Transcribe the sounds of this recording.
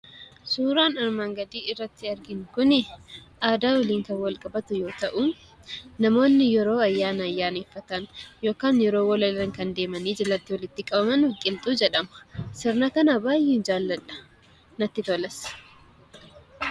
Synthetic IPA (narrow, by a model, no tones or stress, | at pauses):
suːɾaːnɐɾmaːŋɡɐd̪iːɪrːɐt̪ːɪɐɾɡɪnkʊnɪʔaːd̪aːwɐliːŋkɐnwɐlkʼɐbɐt̪ʊjo̞ːt̪ɐʔʊ | nɐmo̞ːnːɪjɛɾo̞ːɐjːaːnɐɐjːaːneːfːɐt̪ɐnjo̞ːkaːnjɛɾo̞ːwɔlɐlɐŋkɐnd̪e̞ːmɐniːd͡ʒɛlɐt̪ːɪwɐlɪt̪ːɪkʼɐbɐmɐnwʊkʼːɪmt̪ʼuːd͡ʒɛᶑɐmɐ̥sɪɾnɐkɐnɐbaːjɛːnd͡ʒaːlːɐᶑɐ̥ | nɐt̪ːɪt̪ɔlɐs